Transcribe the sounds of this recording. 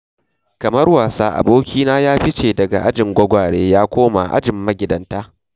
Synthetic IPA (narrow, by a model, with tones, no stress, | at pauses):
kɐ˨mɐ˦rwaː˨saː˦ʔa̰˨boː˦kʲiː˦naː˦jaː˦ɸɪ˦t͡ʃeː˨dɐ˨ɡa˨ʔa˦d͡ʒɪ˨ŋɡʷɐ˦ɡʷaː˨ɽeː˦jaː˦kʷoː˦ma̰ː˨ʔa̰˦d͡ʒɪ˨mːɐ˦ɡʲɪ˨dɐ˨nta˦ʔ